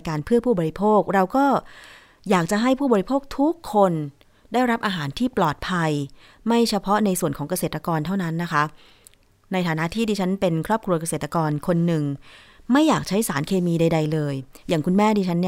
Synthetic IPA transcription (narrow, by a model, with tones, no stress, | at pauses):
kaː˧npʰɯ˥˩əpʰuː˥˩bɔː˧ɾi˦˥pʰoː˥˩k̚ɾa˧wkɔː˥˩ | jaː˨˩k̚t͡ɕa˨˩ɦa˥˩jpʰuː˥˩bɔː˧ɾi˧pʰoː˥˩k̚t̪ʰu˦˥kʰːo˧n | daː˥˩jɾa˦˥p̚ʔaː˧ɦaː˩˦nt̪ʰiː˥˩plɔː˨˩t̪̚pʰa˧j | ma˥˩jt͡ɕʰa˧pʰɔ˦˥na˧jsu˨˩ənkʰɔː˩˦ŋka˧seː˨˩t̪ɾa˧kɔː˧nt̪ʰa˥˩wna˦˥nːa˦˥kʰa˦˥ʔ | na˧jt̪ʰaː˨˩˦na˦˥ʔt̪ʰiː˥˩diː˧t͡ɕʰa˦˥npe˧nkʰɾɔː˥˩p̚kʰɾu˧ɐka˧seː˨˩t̪ɾa˧kɔː˧nkʰo˧nːɯ˨˩ŋ | ma˥˩jːaː˨˩k̚t͡ɕʰa˦˥jsaː˩˦nkʰeː˧miː˧da˧jda˧jlɤː˧jjaː˨˩ŋku˧nmɛː˥˩diː˧t͡ɕʰa˦˥nːi˥˩